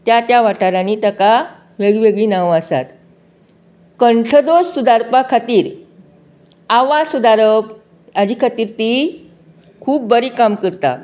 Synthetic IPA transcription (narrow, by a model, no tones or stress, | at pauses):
t̪jat̪jaʋaʈaɾanit̪əka | ʋeɡiʋeɡɭiːnaʋəsa̰t̪ | kəɳʈʰəd̪ossud̪aɾpakʰat̪iːɾ | aʋasud̪aɾəp̚ | ad͡ʑiːkʰat̪iːɾt̪i | kʰuːp̚bəɾiːkamkəɾt̪a̰